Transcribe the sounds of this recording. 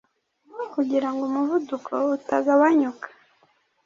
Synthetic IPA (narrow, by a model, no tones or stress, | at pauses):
kuɟiɾaŋɡomuvudukʰoutaɡawaɲukḁ